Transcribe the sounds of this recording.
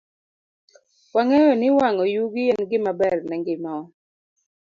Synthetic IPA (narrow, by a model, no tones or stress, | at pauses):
waŋɛjɔnɪwaŋɔjuɡɪɛnɡɪmabɛrnɛŋɡɪmaɔ